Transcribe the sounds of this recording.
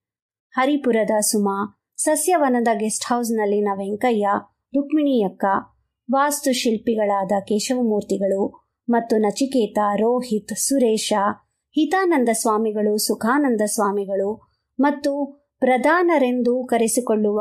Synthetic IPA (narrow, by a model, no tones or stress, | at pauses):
hɐɾipuɾɐd̪ɐsumaː | sɐsjɐʋɐnɐd̪ɐɡesʈhɐws̬nɐlːinɐʋeŋkɐjːɐ | ɾukmiɳijɐkːɐ | ʋaːst̪uʃilpiɡɐɭaːd̪ɐkɛːʃɐʋɐmuːɾt̪iɡɐɭu | mɐt̪ːunɐt͡ʃikɛːt̪aɾoːɦit̪suɾɛːʃɐ | hit̪aːnɐnd̪ɐsʋaːmiɡɐɭusukʰaːnɐnd̪ɐsʋaːmiɡɐɭu | mɐt̪ːu | pɾɐd̪ʱaːnɐɾend̪ukɐɾesikoɭːuʋ